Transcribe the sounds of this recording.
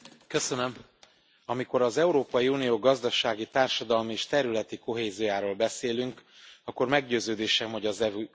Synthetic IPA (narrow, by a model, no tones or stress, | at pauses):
kø̞sønøm | ɒmiko̞ɾɒzɛuɾoːpɒjiuːnijoːɡɒzd̪ɒʃaːɡit̪aːrʃɒd̪ɒlmieːʃt̪ɛɾylɛt̪iko̞ɦeːziojaːɾoːlbɛseːlyŋk | ɒkːo̞rmɛɡɟøːzøːd̪eːʃɛmɦo̞ɟɒzɛv